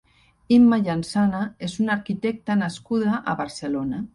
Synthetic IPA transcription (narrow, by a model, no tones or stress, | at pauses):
imːaʎansanaezunaɾkit̪ɛk̚t̪anaskuðaʔa̰βaɾselona